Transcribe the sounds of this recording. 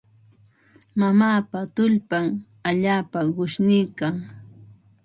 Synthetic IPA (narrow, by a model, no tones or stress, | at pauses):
mamaːpat̪ʊʎpam | aʎaːpaɢʊʃnɪjkaŋ